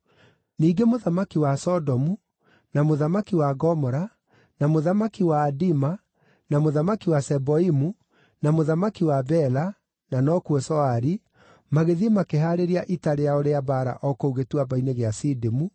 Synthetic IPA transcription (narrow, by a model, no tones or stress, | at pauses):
niːɡemoðamakiwasɔdɔmu | namoðamakiwaɡɔmɔɾa | namoðamakiwaːdima | namoðamakiwasɛbɔimu | namoðamakiwabɛla | nanɔkuɛsɔaɾi | maɣeðimakeɦaɾeɾiaʔitaɾejaoɾeabaːɾa̰ʔɔkouɣetuabaineɣeasidemu